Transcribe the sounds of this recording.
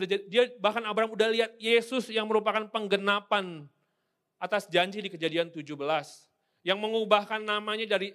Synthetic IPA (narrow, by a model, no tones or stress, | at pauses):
udad͡ʒaidiabahkanabɾaɦamudahliɦat̪̚jesʊsjaŋməɾupakanpəŋɡənapan | at̪asd͡ʒaɲd͡ʒidikəd͡ʒadiant̪ud͡ʒubəlas | jaŋməŋubahkanːamaɲadaɾi